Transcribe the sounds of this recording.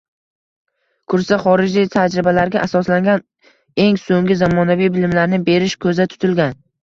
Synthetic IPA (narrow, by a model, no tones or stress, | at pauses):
kʰʊɾsaχɒɾɪd͡ʒlijt̪ʰad͡ʒɾɪbalaɾɡʲaʔasɒslaŋɡʲan | e̞ŋsoŋɡʲɪzamɒnavijbɪlɪmlaɾnɪbe̞ɾɪʃkʰɵzat̪ʰʊ̥t̪ʰɪlɡʲan